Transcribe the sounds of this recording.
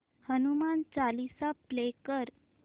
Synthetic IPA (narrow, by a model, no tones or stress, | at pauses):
hənumant͡salisaplekəɾ